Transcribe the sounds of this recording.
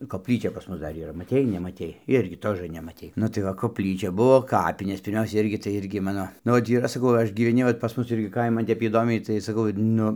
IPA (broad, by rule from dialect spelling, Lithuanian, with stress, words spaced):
koːpʲˈlʲiːt͡ʃʲɛ pɐs ˈmʊs ˈdɐr iːˈrɐ mɐˈtʲɛɪ nʲɛmɐˈtʲɛɪ ˈɪrʲɡʲɪ ˈtoːʒɘ nʲɛmɐˈtʲɛɪ ˈnʊ tɐɪ ʋɐ koːpʲˈlʲiːt͡ʃʲɛ ˈbʊʋoː ˈkɑːpʲɪnʲeːs pʲɪrʲˈmʲɛʊsʲɛ ˈɪrʲɡʲɪ tɐɪ ˈɪrʲɡʲɪ ˈmɑːnoː ˈnʊ oːt ˈiːrɐ sɐˈkɐʊ ˈɐʃ ɡʲiːʋʲɛˈnʲɪ ʋɐt pɐs ˈmʊs ˈɪrʲɡʲɪ ˈkɐɪmɐn ˈtʲɛp iːˈdoːmʲɛɪ tɐɪ sɐˈkɐʊ ˈnʊ